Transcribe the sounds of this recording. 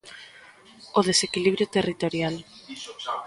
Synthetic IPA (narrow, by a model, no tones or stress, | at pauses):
oðesekiliβɾjot̪erit̪oɾjal